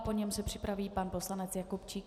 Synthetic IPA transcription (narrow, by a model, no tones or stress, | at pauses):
poɲɛmsɛpr̥ɪ̥pɾaviːpanpo̞slanɛt͡sjakupt͡ʃiːk